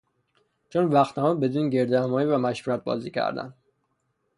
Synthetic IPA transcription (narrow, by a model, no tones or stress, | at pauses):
t͡ʃʰonvæxt̪ʰæmɒbe̞d̪unɟe̞ɾd̪ehæmɒːjivæmæʃvuɾæt̪̚bɒ̰ːziːcʰæ̰ɾd̪æ̰n